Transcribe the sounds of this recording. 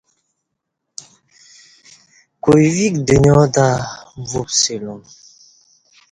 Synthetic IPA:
kojvikdəɲɔdavupselɔm

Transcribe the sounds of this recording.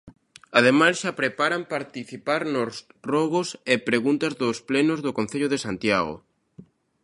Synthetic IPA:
aðemasʃapɾepaɾampaɾt̪iθipaɾnosrɔɣosepɾeɣunt̪azðʊsplenozðʊkon̟θeʎʊðesant̪jaɣo̰

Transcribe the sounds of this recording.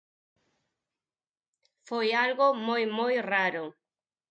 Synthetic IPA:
fojalɣʊmojmojraɾʊ

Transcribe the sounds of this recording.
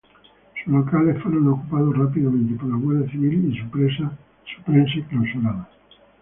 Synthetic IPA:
sulokalefweɾonokupaðosrapiðamẽnt̪epoɾlaɣwelðjaθiβilisupɾesa | su̥pɾẽns̬eklawsulaða

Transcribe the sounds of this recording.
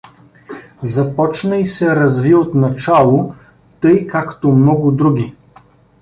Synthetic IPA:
zɐpɔt͡ʃnəisɛɾɐzviot̪nɐt͡ʃalˠo | t̪ɤjkakt̪omnɔɡʊd̪ɾuɡʲi

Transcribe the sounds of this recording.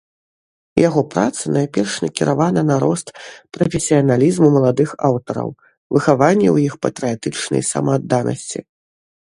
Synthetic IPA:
jaɣɔpɾa̰t̪sɐnajpʲɛrʂnʲɐkʲiɾavanɐnaɾɔst̪pɾɐfʲesʲijɐnalʲizmumɐlˠad̪ɨxawt̪ɐɾɐ̰w | vɨxavanʲːɛwjixpɐt̪ɾɨjat̪ɨt͡ʂnɐ̰jsɐ̰mɐːd̪ːanɐ̰sʲt͡sʲḭ

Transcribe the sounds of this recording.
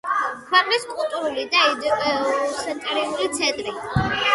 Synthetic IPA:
kʰwɛqʼliskʼulˠt̪ʼuɾulid̪aɛ | sɛt̪ʼɾiulit̪sʰɛt̪ʼɾi

